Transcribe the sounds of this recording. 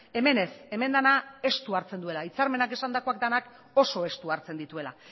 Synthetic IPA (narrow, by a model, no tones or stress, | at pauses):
e̞me̞ne̞se̞me̞nd̪anae̞st̪uaɾt͡se̞nd̪ue̞lait͡saɾme̞nake̞sand̪ako̞akd̪anak | o̞so̞e̞st̪uaɾt͡se̞nd̪it̪ue̞la̰